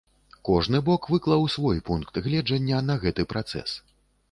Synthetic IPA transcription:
kɔʐnɨbɔkvɨklˠɐwsvɔjpunkt̪ɣlʲɛd͡ʐɐnʲːɐnɐɣɛt̪ɨpɾat̪sɛ̰s

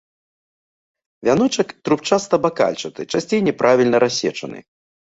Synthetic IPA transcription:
vʲanɔt͡ʂɐkt̪ɾup̚t͡ʂast̪ɐbaka̰lʲt͡ʂɐt̪ɨt͡ʂasʲt͡sʲejnʲɛpɾʔavʲilʲnɐɾʔasʲɛ̰t͡ʂɐnɨ̰

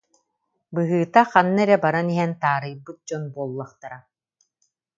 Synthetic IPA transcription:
bɯɦɯːt̪aχanːaɛɾɛbaɾaniɦɛnt̪aːɾɯjbɯt̪̚d͡ʑɔnbuɔlˠːaχt̪aɾa

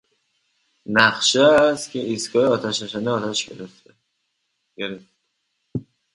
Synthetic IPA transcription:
næχʃest̪cʰeiskɒːjeɒːt̪ʰæʃnæʃæniɒːt̪ʰæʃɟeɾeft̪e | ɡeɾeft̪e

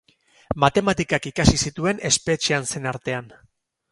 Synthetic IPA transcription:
mat̪e̞mat̪ikakikasisit̪ue̞ne̞spe̞t͡ʃianse̞naɾt̪e̞an

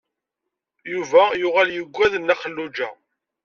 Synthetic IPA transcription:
juvæjʊʁaljəɡʷːæðənːæχəlːud͡ʒæ̰

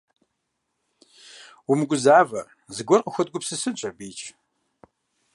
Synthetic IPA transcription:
wumɡʷʊzaːvɐ | zɨɡʷɔrqəxʷɐd̚ɡʷʊpsɨsɨt͡ʃʷʼɐbiːt͡ʃʼʰ

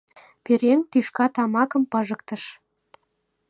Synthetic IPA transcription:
peɾeŋt̪yʃkɑt̪ɑmɑkə̆mpɤ̆ʒə̆k̚t̪ə̆ʃ

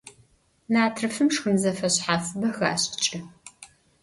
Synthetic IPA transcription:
naːtʰrɨfɨmʂxɨmzɐfɐɕħaːfɨbɐxa̰ːɕt͡ʃʼɪ

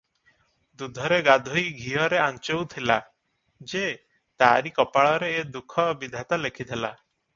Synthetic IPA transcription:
d̪ud̪ʱɔɾeɡad̪ʱojɡʱiɔɾeant͡ʃowt̪ʰila | d͡ʒe | t̪aɾikɔpaɭɔɾeːd̪ukʰɔbid̪ʱat̪alekʰid̪ʰʱela̰

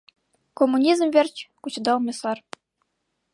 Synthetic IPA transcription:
komːunʲizmvʲerʲt͡ɕkut͡ɕɤ̆d̪ɑlˠmʲɤ̆sɑr

